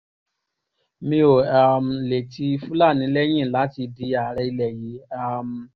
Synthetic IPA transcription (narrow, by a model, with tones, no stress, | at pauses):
mĩ˧˦o˨a˨m̩˨le˨ti˧˦fũ˦la˦˨nĩ˨˦lɛ˦j̃ĩ˦˨la˨˦ti˧di˧a˨ɾɛ˧i˧lɛ˨ji˨˦a˦˨m̩˨